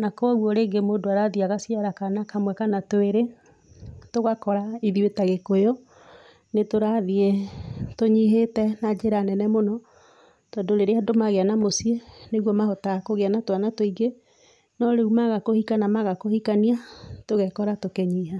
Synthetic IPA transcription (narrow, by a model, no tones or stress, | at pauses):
nakwɔɣwɔɾeːŋɡemoːdoaɾaðiaɣasiaɾakanakamwɛkanatoeɾe | toɣakɔɾaiðiwetaɣekojɔ | netoɾaðietoɲiɦetɛnad͡ʒeɾanɛnɛmonɔ | tɔdoɾeɾeadomaɣeanamosieneɣwɔmaɦɔtaɣakoɣeanatoanatoiɡe | nɔɾeumaɣakohikanamaɣakohikaniatoɣɛkɔɾatokeɲiɦa